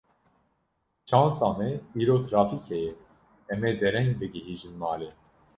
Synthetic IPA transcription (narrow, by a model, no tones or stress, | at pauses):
t͡ʃʰɑ̃ːnsɑːmɛiːɾoːt̪ʰɾɑːfikʰɛjɛ | ɛmeːd̪ɛɾɛŋɡbɨɡiɦiːʒɨnmɑːle